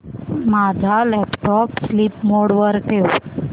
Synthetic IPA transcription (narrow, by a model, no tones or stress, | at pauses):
mad͡zʱalɛpʈɔpslipmoɽʋəɾkeʋo